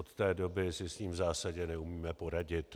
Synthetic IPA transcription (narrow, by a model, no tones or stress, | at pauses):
ot̪t̪ɛːdo̞bɪsɪsɲiːmvzaːsaɟɛnɛumiːmɛpo̞ɾaɟɪt̪